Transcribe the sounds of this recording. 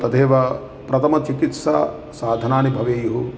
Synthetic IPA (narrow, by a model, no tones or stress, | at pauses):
t̪ɐt̪ʰeːʋɐ | pɾɐt̪ʰɐmɐt͡ʃikit̪sa̰ː | saːd̪ʱɐnaːnibʱɐʋeːjuɦu